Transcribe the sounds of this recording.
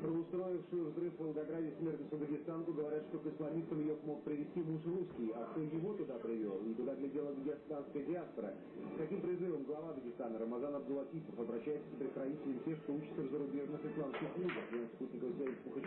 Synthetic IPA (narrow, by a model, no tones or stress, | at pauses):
pɾəʊst̪ɾo̞ɪfʂɨjʊvzrɨfvəlˠɡɐɡɾadʲɪsmʲe̞rt̪nəsʊd̪əɡʲɪst̪ankʊɡəvɐɾʲat̪ʂt̪o̞kɨslˠɐmʲist̪əmjɪjomo̞k̚pɾʲɪvʲɪsʲtʲimuʂruskʲɪjaʂt̪ojɪvo̞t̪ʊd̪apɾʲɪvʲo̰lˠit̪ʊd̪aɡlʲɪdʲe̞lˠəd̪əɡʲɪst̪anskəjədʲɪaspəɾə | skɐkʲimpɾʲɪzɨvəmɡlˠɐvad̪əɡʲɪst̪anəɾəmazanɐbɡ̪ʊlˠɐtʲit̪əfɐbɾɐɕːæjɪt̪səspɾʲɪt̪kɾɐvʲitʲɪlʲɪmsʲe̞xkt̪out͡ɕɪ̥t̪sɪvzəɾʊbʲeʐnɨsxɨslˠamskʲɪxlʲˠuɡəfʲensputʲnʲɪkəfsʲerʊxə